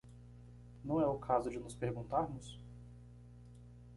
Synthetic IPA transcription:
nɐ̃w̃ɛʊkʰazʊd͡ʒɪnʊspeɾɡũnt̪aɾmʊs

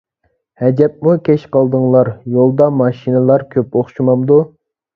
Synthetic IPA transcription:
hɛd͡ʒɛp̚mukʲʰɛʃqɑlˠd̪ɨŋlˠɑɾjolˠd̪ɑmɑʃinɨlˠɑɾkʲʰøpoχʃimɑmd̪u

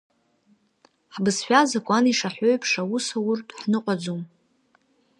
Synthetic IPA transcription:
ħbɨsħʷᶣazakʷʼaniʂaħʷoɥpʼʰʂawusawʊrtʼħnɨqʷʼad͡zum

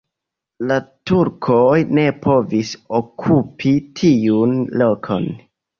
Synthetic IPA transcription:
latuɾkʰojne̞pʰo̞visokʰupʰitʰiunlo̞kʰo̞̰n

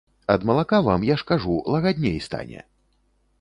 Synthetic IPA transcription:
ɐd̪mɐlˠakavamjaʂkaʐulˠɐɣad̪ʲnʲejst̪a̰nʲɛ̰

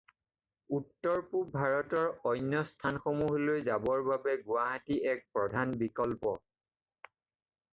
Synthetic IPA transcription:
utːɔɹpubʱaɹɔtɔɹɔjnjɔstʰanxomuɦlojzabɔɹbabɛɡʊwaɦatiʔɛk̚pɹɔdʱanbikɔlpɔ

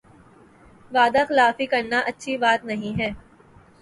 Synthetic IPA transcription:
ʋaːd̪axɪlaːfikɐɾnaʔɐtːʃʰibaːt̪nɐɦĩɦɛː

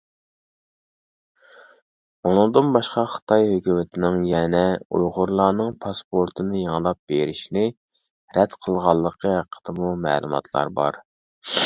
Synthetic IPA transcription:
unɨŋd̪ɨnbɑʃqɑχə̥t̪ʰɑjhøkʲymɪt̪ʰɪnɪŋjɛnɛṵjʁʊɾlˠɑːnɨŋpʰɑspʰoɾt̪ʰɨnɨjəŋəlˠɑp̚b̥eɾɪʃnɪ | ɾɛd̪qʰəlˠʁɑlˠːəqʰəɦæqʰːə̥d̪̥ɨmumɛ̰ːlˠumɑ̰t̪ʰlˠɑ̰ɾbɑ̰ɾ

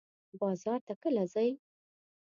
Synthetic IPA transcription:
bɑzɑɾt̪akəlazaj

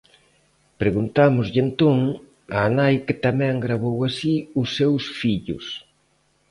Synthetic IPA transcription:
pɾeɣunt̪amʊzʎɪent̪oŋ | aːnajkɪt̪amɛ̃ŋɡɾaβowasiʊsːewsfiʎʊ̰s

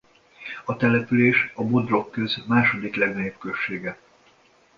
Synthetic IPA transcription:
ɒt̪ɛlɛpyleːʃɒbo̞d̪ro̞kːø̞zmaːʃo̞d̪iklɛɡnɛjopkø̞ʃːeːɡɛ

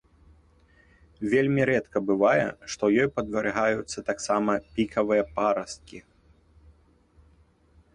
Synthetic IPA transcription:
vʲelʲmʲiɾɛt̪kɐbɨvajɛ̰ʂt̪ɔjɔjpɐd̪vɐɾɨɣajut̪sːɐt̪aksamɐpʲikʰɐvɨjɛpaɾɐst̪̚kʲi

